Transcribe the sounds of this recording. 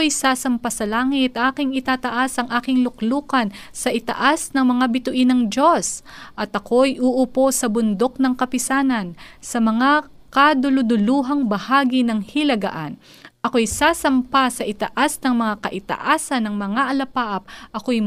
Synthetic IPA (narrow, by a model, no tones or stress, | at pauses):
ojsaːsɐmpasɐlaːŋɪt̪ʔaːkɪŋɪt̪aːt̪ɐʔasʔɐŋʔaːkɪŋlʊkluːkɐnsɐʔɪt̪ɐ̰ʔasnɐŋmɐŋabɪt̪ʊʔinɐŋd͡ʒo̞sʔɐt̪ʔɐkʰo̞jʔuʔʊpo̞sɐbʊnd̪o̞k̚nɐŋkɐpɪsaːnɐnsɐmɐŋa | kɐd̪ʊlʊd̪ʊluːɦɐŋbɐhaːɡinɐŋhilɐɡa̰ʔa̰n | ʔɐko̞jsaːsɐmpasɐʔɪt̪ɐ̰ʔasnɐŋmɐŋakɐʔɪt̪ɐ̰ʔaːsɐnɐŋmɐŋaʔɐlɐpaːʔɐp̚ʔɐko̞j